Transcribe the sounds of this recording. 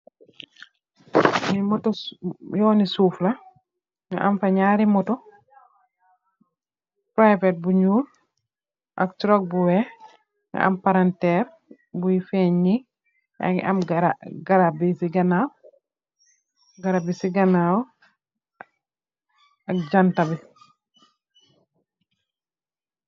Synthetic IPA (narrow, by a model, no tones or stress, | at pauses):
nimɔtɔjɔwnisuːflɐ | niʔamfaɲaːɾimɔtɔ | pɾajvet̚buɲuːl | ʔa̰ktɾɔk̚buwɛ | ŋa̰ʔa̰mpaɾantɛɾ | bujifeɲːi | ja̰ŋḭʔamɡɾaɡaɾabisiɡanaw | ɡaɾabisiɡanaw | ak̚d͡ʒantabi